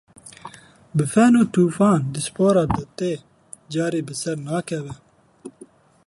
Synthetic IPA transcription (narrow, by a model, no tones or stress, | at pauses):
bəfeːnot̪uːfaːnd̪ispoːɾad̪ət̪e | d͡ʑaːɾibəsɐɾnaːkɐwe